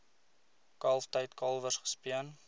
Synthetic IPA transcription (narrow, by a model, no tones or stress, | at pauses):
kɐlˠftəjtkɐlˠvəsχə̥spiən